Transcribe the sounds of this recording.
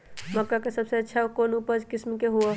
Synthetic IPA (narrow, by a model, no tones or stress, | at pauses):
məkːakesəbseɐtːʃʰaokonupəd͡ʒkɪsmkeɦuə